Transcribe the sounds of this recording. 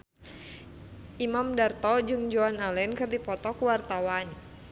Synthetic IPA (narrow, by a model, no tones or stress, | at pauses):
ʔimamdart̪ɔd͡ʒɨŋd͡ʒoanalɛnkɨrdipɔt̪ɔkuwart̪awan